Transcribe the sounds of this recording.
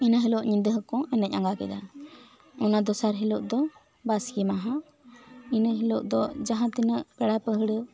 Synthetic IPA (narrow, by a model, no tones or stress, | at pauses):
inaɦilɔʔɲind̪əɦəkɔ̃ʔɛnɛc̚aŋɡakɛd̪a | ɔnad̪ɔsaɾɦilɔʔd̪ɔ | baskimaɦã | inəɦilɔʔd̪ɔʔd͡ʒaɦãt̪inəʔkɛɽapəɦəɽə